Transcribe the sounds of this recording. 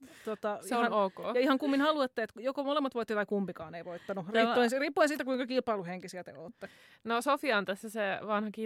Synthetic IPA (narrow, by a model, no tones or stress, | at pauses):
t̪ot̪ɑseioɑnoːkoːjɑihɑŋkumːinhɑluet̪ːeet̪jokomolemːɑt̪ʋoit̪ːet̪ɑikumpikɑːneiʋoit̪ːɑnuriːoinsriːpːoinsiːt̪ækuiŋkɑkilpɑiluheŋkisiæt̪ḛoːt̪ːe | nosofiɑont̪æsːæseʋɑnhɑki